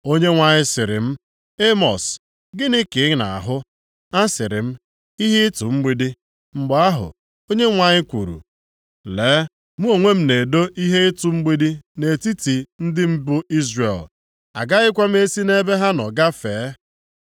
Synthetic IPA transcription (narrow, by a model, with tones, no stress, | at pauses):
o˦ɲe˦ŋʷa˨ɲɪ˦sɪ˨ɾɪ̰˨m̩˦ | e˦mɔ˨s | ɡɪ˦nɪ˦kɪ˨˦na̰˨a̰˨ɦʊ˦ | a˦sɪ˨ɾɪ˨m̩˦ | i˦ɦe˦tu˨ŋ͡m̩˦ɡ͡bi˦di˦ | ŋ͡m̩˨ɡ͡ba˦a˦ɦʊ̰˨ | o˦ɲe˦ŋʷa˨ɲɪ˦kʷṵ˨ɾṵ˨ | leː˨˦ | mu˦o˨ŋʷe˦m̩˦ne˨do˦ʔi˦ɦe˦ɪ˦tu˨ŋ͡m̩˦ɡ͡bi˦di˦ne˨ti˦ti˨n̩˦dɪ˦m̩˦bʊ˦ʔi˦zre˨l | a̰˨ɡa˦ɣɪ˦kʷa˦m̩˦e˦si˦ne˦be˦ɦa˦nɔ˨ɡa˦feː˨˦